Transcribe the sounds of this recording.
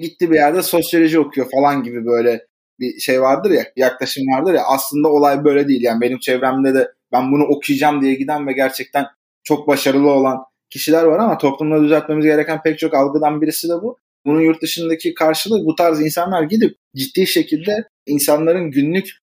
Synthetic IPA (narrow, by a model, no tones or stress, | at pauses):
ɟit̪ʰːiːbijaɾd̪ɛso̞sjolʲo̞ʒio̞kʰujo̞falˠanɟibibø̞jlʲɛ | biʃe̞jvaɾd̪ɯɾjajaklˠaʃɯmvaɾd̪ɯɾjaʔaslˠɯnd̪ao̞lˠajbø̞jlʲɛd̪ejilʲjaːnibe̞nimt͡ʃʰɛvɾæmd̪ɛd̪ɛ | bænbunuʔo̞kʰujɯd͡ʒamd̪ijɛɟid̪ænvɛɟæɾt͡ʃʰɛc̚t̪ʰæn | t͡ʃʰo̞k̚baʃaɾɯlˠɯo̞lˠan | cʰiʃilʲæɾvaɾamat̪ʰo̞plˠumad̪yzælʲt̪̚me̞mizɟe̞ɾɛcʰænpʰɛc̚t͡ʃʰo̞kalˠɡɯd̪anbiɾisid̪ɛbu | bununjuɾt̪̚d̪ɯʃɯnd̪acʰikʰaɾʃɯlˠɯbut̪ʰaɾzinsanlˠaɾɟid̪ip̚d͡ʒit̪ːiːʃe̞cʰilʲd̪ɛ | insanlˠaɾɯnɟynlʲyc